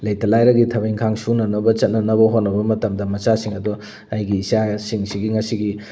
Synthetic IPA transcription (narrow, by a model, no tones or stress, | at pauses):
lɐjtɐlajɾɐɡitʰɐbiŋkʰaŋsunɐnɐbɐt͡ʃɐt̚nɐnɐbɐɦonɐbɐmɐtɐmdɐmɐt͡ʃasiŋɐdu | ɐjɡiːsasiŋsiɡiŋɐsiɡi